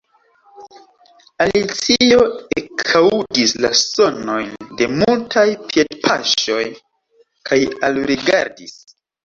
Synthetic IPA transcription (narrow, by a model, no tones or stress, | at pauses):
alit͡sio̞ekʰawudislaso̞no̞jnde̞multʰajpje̞dpʰaʃo̞j | kʰajalɾiɡa̰ɾdis